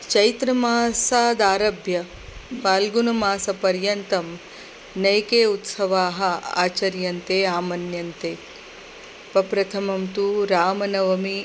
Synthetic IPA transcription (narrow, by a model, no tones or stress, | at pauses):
t͡ʃɐjt̪ɾɐmaːsaːd̪aːɾɐbʱjɐ | paːlɡunɐmaːsɐpɐɾjɐnt̪ɐm | nɐjkeːut̪sɐʋaːɦɐ̆a̰ːt͡ʃɐɾjɐnt̪eːaːmɐnjɐnt̪eː | pɐpɾɐt̪ʰɐmɐmt̪uɾaːmɐnɐʋɐmi